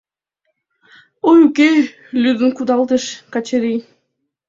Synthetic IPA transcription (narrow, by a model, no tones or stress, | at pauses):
ojuke | lʲyd̪ənkud̪ɑlˠd̪əʃkɑt͡ɕeɾij